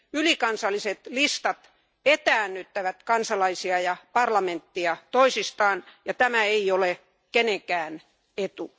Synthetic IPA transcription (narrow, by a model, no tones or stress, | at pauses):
ylikɑnsɑlːˑiset̪list̪ɑt̪ | et̪æːnːyt̪ːæʋæt̪kɑnsɑlɑisiɑjɑpɑrlɑment̪ːiɑt̪oisist̪ɑːnjɑt̪æmæeiole | keneŋkæːn | et̪u